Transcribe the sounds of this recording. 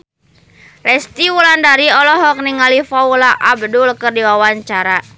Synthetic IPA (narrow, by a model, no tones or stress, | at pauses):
lɛst̪iwulandaɾiɔlɔɦɔk̚niŋalifaulaʔabdulkərdiwawaɲt͡ʃaɾa